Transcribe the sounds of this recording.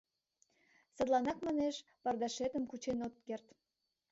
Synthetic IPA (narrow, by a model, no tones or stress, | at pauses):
sə̆d̪lˠɑnɑkmɑneʃ | pɑrd̪ɑʃet̪əmkut͡ɕenot̪̚kert̪